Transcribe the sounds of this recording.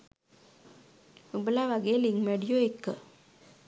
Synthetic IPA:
ubəlaːʋaɡeːliŋmeɖijoekːə̰

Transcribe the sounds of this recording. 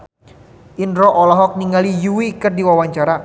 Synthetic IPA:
ʔinɾɔʔɔlɔɦɔk̚niŋalijuwikərdiwawaɲt͡ʃaɾa

